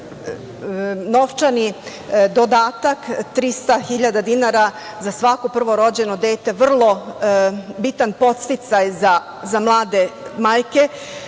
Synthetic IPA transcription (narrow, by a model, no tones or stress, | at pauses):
no̞ʋt͡ʃani | d̪o̞d̪aːt̪akt̪ɾist̪axiʎad̪ad̪inaɾa | zasʋakopr̩ʋo̞ɾo̞d͡ʑe̞nod̪eːt̪e̞ʋr̩lˠo̞ | bit̪anpo̞t̪st̪it̪sajza | zamlˠaːd̪e̞maːjke̞